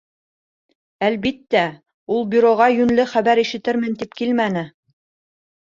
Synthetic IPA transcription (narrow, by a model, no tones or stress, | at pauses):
ælβit̪ːæ | ulˠbʲyɾoʁɑjɵ̆nlɘχæβæɾiʃɘ̆t̪ɘɾmɘ̆nt̪ipkilmænɘ